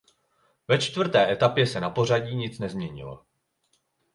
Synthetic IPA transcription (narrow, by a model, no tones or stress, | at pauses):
vɛt͡ʃt̪vr̩t̪ɛːʔɛt̪apjɛsɛnapo̞r̝aɟiːɲɪt͡snɛzmɲɛɲɪ̰lo̞̰